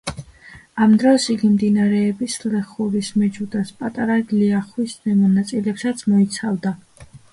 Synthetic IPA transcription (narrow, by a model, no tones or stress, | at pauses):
amd̪ɾɔsiɡimd̪inaɾɛːbislɛχuɾismɛd͡ʒud̪aspʼat̪ʼaɾaliaχwisnɛmɔnat̪sʼilɛpsat̪sʰmɔit̪sʰavd̪a